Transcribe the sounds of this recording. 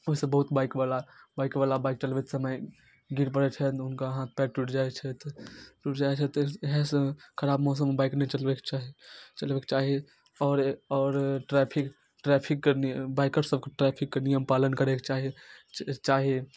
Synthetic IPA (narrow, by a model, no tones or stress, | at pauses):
oɦisebəɦʊt̪baːɪkbaːlabaːɪkbaːlabaɪk̚ʈəlʋit̪səməj | ɡiɾpəɽet͡ʃʰɛt̪ʊnkaɦãt̪̚ʰpɛːʈʈuʈʰd͡ʒaːet͡ʃʰɛt̪ʈuʈd͡ʒaːet͡ʃʰɛt̪ɔɦɛskʰəɾaːbmɔːs̬əmbaːɪknɛit͡ʃəlbekt͡ʃaɦit͡ʃəlbeket͡ʃaːɦie | ɔːɾɔːɾʈɾɛpʰik | ʈɾɛpʰikːenbaɪkəʈsəb̚keʈɾɛpʰikːenijəmpaːlənkəɾeket͡ʃaːɦi | t͡ʃaːɦie